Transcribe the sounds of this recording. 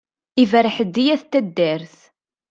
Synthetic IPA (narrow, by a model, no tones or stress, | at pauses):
ivəɾəħəd̪ːijæθt̪ːæd̪ːæɾθ